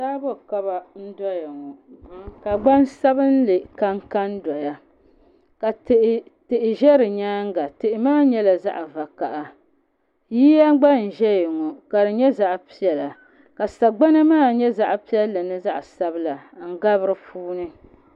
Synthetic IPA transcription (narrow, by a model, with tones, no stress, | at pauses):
saː˦bɔ˦ka˦ba˨n̩˦dɔ˦ja˨ŋɔ˨˦ka˨ɡ͡ba˦n˦sa˦bɨ˦n˦lɨ˨ka˦ŋka˦ndɔ˨ja˦ | ka˨tʔ | tɨ˨ʔɪ˨ʒɛ˦ɾɨ˨ɲaː˦ŋ˦ɡa˨tɨ˨ʔɪ˨maː˦ɲɛ˦la˨za̰˦ʔa˨va˨ka˨ʔa˨ | jiː˦ja˦ɡ͡ba˦n̩˨ʒɛ˦jɪ˨ŋɔ˨ka˨ɾɨ˨ɲɛ˦za˦ʔpi˦ɛ˨la˨ | ka˨sa˨ɡ͡ba˦na˦maː˦˨ɲɛ˦za˦ʔpi˦jɛ˦lːɨ˨nɨ˦za˦ʔsa˦bɨ˦la˨ŋ̩˦ɡa˦βɨ˦ɾɨ˨fuː˦nɨ˦